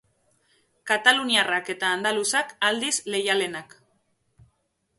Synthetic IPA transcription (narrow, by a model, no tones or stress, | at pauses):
kat̪aluniarake̞t̪aːnd̪alusakald̪isle̞jale̞nak